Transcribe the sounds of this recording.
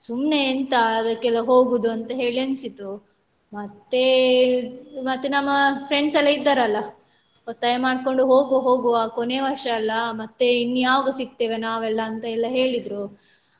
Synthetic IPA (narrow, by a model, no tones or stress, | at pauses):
sumne̞ːnt̪ɐːd̪ɐkːɛlːɐɦoːɡud̪uɐnt̪ɐɦe̞ːɭiɐnsit̪ːu | mɐt̪ːe̞ | mɐt̪ːenɐmːɐpɾeɳɖsɛlːɐid̪ːaɾɐlːɐ | ot̪ːɐjɐmaːɽko̞ɳɖuɦoːɡoɦo̞ːɡuakone̞ʋɐɾʂɐːlːɐmɐt̪ːe̞inːijaːʋɐɡɐsik̚t̪eːʋenaːʋɛlːɐːnt̪ɐɛlːɐɦe̞ːɭid̪ɾu